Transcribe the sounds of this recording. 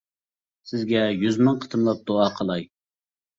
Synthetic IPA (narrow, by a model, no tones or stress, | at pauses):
sɪzɡʲɛjyzmɑŋqʰə̥t̪ʰɨmlˠɑp̚d̪oɑːqʰəlˠɑj